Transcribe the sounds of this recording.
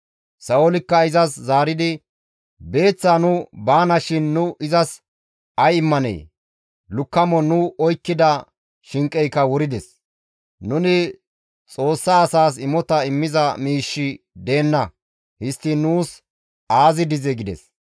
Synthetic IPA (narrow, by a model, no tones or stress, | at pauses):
sɐɔlɪkːɐɪzɐszaːɾɪd̪ɪ | be̞ːt͡sːaːnʊbaːnɐʃɪnːʊʔɪzɐs | ɐjɪmːɐnɛ̰j | lʊkːɐmɔnʊɔjkːɪd̪ɐ | ʃɪŋkʼːɛjkːɐwɔɾɪd̪ɛs | nʊnɪ | t͡sʼo̞ːsːɐːsaːs̬ɪmɔt̪ɐɪmːɪzɐmiːʃːɪ | d̪e̞ːnːɐ | hɪst̪ːɪnuːs | aːzɪd̪ɪzɛɡɪd̪ɛ̰s